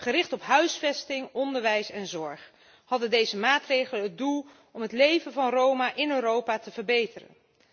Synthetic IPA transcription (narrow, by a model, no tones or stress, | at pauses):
χərɪχtɔpɦœɥsfɛstɪŋɔndəɹʋɛjsɛnzɔɹχ | hɑdəndejzəmaːtrejχələnɦət̚dulˠ | ɔmɦətlejvənvɑnrowmaʔɪnøɾowpaːtəvəɹbejtərə̰n